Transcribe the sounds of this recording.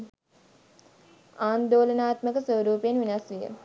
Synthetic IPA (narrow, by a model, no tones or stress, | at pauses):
aːnd̪oːlənaːt̪məkəsʋəʋɾuːpenʋinasʋijə̰